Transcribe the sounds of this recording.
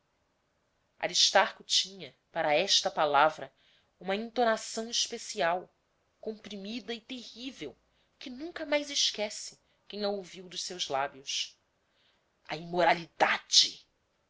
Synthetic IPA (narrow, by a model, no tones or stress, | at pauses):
a̰ɾiʃt̪aɾkʊt͡ʃĩɲɐ | paɾɐɛʃt̪ɐpalavɾɐ | ũmɐĩnt̪onasɐ̃w̃iʃpesiaw | kõmpɾimid̪ɐɪt̪ehivew | kɪnũŋkɐmajzɪʃkɛsɪ | kẽj̃ɐowviwd̪ʊʃsewzlabjʊs | ɐ̰imoɾalid̪ad͡ʒɪ